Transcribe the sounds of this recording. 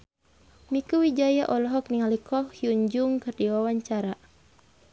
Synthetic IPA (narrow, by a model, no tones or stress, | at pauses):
mikuwid͡ʒajaʔɔlɔɦɔk̚niŋalikʰɔhjuɲd͡ʒʊŋkɨrdiwawaɲt͡ʃaɾa